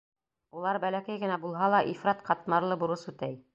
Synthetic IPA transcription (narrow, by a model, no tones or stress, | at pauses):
ulˠɑɾbælækæjɡɘ̆næbulˠɦɑlˠɑʔifɾɑt̪qɑt̪mɑɾlˠɤbŭɾɤsʉt̪æj